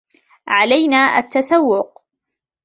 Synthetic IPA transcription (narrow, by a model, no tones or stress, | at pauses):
ʕalajnaːʔa̰t̪ːasawːʊq